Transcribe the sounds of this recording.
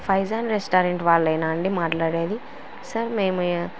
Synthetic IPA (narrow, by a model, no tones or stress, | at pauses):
pʰɐjzaːnɾesʈaːɾeɳʈʋaːɭːɐjnaːɐɳɖimaːʈlaːɽeːd̪i | sɐɾmeːmu